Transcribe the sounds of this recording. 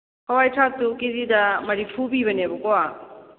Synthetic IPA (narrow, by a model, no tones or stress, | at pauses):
kʰawajtʰak̚tukizidɐmɐɾipʰubiβɐnebɔkowa